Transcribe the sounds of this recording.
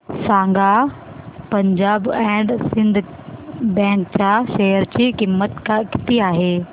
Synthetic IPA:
sãːŋɡa | pɐ̃ɲd͡ʑaːbɛ̃ːɖsɪ̃nd̪ʱ | bɛ̃ːŋkt͡ɕaːʃeɦəɾd͡ʑiːkimːət̪kãkɪ̥t̪iaːɦeː

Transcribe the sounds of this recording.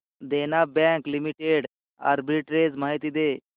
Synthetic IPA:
d̪enabɛ̃ŋklimiʈeɖ | a̰ɾbiʈɾed͡zmaːɦit̪id̪e

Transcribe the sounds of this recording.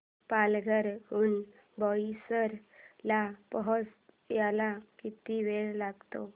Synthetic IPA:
palɡʱəɾɦuːn | bɔisəɾlapəɦɔt͡s | jalakit̪iʋeɭlaɡt̪o

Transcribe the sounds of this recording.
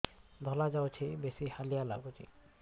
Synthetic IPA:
d̪ʱɔlad͡ʒawt͡ʃʰibesihalijala̰ɡut͡ʃʰḭ

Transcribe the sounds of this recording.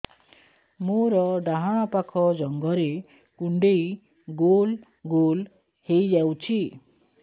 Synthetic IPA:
moɾɔɖaɦaɽ̃ɔpakʰɔd͡ʒɔŋɡɔɾe | kuɳɖej | ɡol | ɡol | hejd͡ʒawt͡ʃʰi

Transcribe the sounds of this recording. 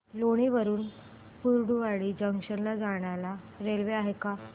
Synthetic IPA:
loɽ̃iʋəɾuːn | puɾɽuʋaɽiːd͡ʑəŋɕənlad͡zaɽ̃ala | ɾelʋeaɦeka

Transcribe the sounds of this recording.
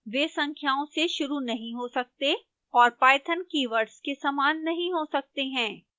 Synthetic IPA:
ʋeːsɐ̃ŋkʰjaːõseʃʊɾunɐɦĩɦosɐk̚t̪e | ɔːɾpaːɪt̪ʰənkiːʋəɾʈskesɐmaːnːɐɦĩɦosɐk̚t̪eɦɛ̃ː

